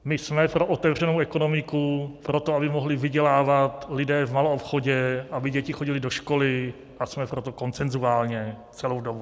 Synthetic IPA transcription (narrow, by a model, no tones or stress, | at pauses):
mɪsmɛpɾoʔot̪ɛvr̝ɛnowʔɛko̞no̞mɪkupɾot̪oabɪmoɦlɪvɪɟɛlaːvat̪lɪdɛːvmaloopxoɟɛabɪɟɛcɪxoɟɪlɪdoʃko̞lɪ | ʔasmɛpɾot̪oko̞nt͡sɛnzuaːlɲɛ | t͡sɛlowdobu